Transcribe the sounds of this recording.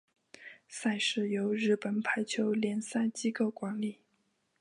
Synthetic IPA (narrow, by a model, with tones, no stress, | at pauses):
sa˥˧ɪʂɻ̩˥˩jo˧˥ʊɻɻ̩˥˩pə˨˩npʰa˧˥ɪt͡ɕʰjo˧˥ʊljɛ˧˥nsa˥˩ɪt͡ɕi˥ko˥˩ʊkwa˧˥nli˨˩˦